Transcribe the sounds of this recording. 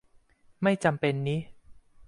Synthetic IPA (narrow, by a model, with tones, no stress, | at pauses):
ma˥˩jt͡ɕa˧mpe˧nːiː˦˥